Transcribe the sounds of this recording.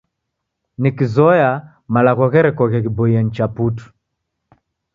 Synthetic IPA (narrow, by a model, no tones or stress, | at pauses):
nikizɔja | malaɣɔɣɛɾɛkɔɣɛɣibɔiɛn̩t͡ʃaputu̥